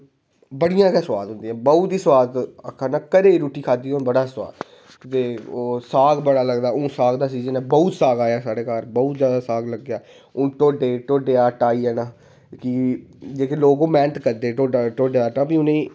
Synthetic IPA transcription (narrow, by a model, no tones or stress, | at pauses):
bəɽijãːkɛːswaːd̪ɦʊ̃nd̪iːɛ̃ːbəʊt̪iːswaːd̪əkʰːaːnaːkəɾeːɾuːʈiːkʰaːd̪iːoːbəɽaːswa̰ːd̪ | t̪eːoːsaːɡbəɽaːləɡd̪aːõːsaːɡd̪aːt͡ʃiːzənɛ̃ːbɔʊt̪saːɡaːjaːsaːɽeːkaːɾbəut̪zjaːd̪aːsaːɡləɡjaː | ʊnʈoːɖeːʈoːɖeːaːʈaːiːɛːnaː | kɪd͡ʒeːkeːloːɡõːmɛ̃ːnt̪kəɾd̪eːʈoːʈoːɖeaːʈãːbiːʊnẽː